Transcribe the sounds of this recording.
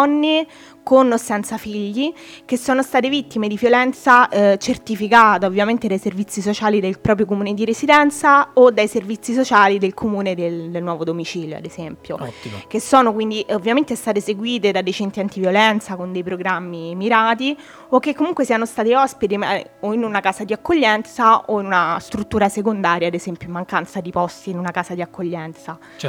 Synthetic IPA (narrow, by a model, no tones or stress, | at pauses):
ɔnːe | konosɛnt̪safiʎːikesːoːnost̪aːt̪evit̪ːimed̪ivjolɛnt̪sat͡ʃert̪ifikaːt̪aovːjament̪ed̪ajservit̪sːisot͡ʃaːlid̪elpɾɔːpɾjok̬omuːned̪iɾesid̪ɛnt̪saod̪ajservit̪sːisot͡ʃaːlid̪elkʰomuːned̪ellnwɔːvod̪omit͡ʃiːljo̰a̰d̪ezɛmpjok̟esːɔːnokwind̪iʔovːjament̪eɛst̪aːt̪eseɡwiːt̪ed̪ad̪ːejt͡ʃɛnt̪iant̪ivjolɛnt̪sakond̪ejpɾoɡɾamːimiɾaːt̪̬i | okːekːomuŋkwesiːanost̪aːt̪iɔspit̪ioinunakaːsad̪iakːoʎːɛnt̪saoinunast̪ɾut̪ːuːɾasekond̪aːɾjaːd̪ezɛmpjoimːaŋkant̪sad̪ipɔst̪iːnunakaːsad̪iakʰːoʎːɛnt̪sa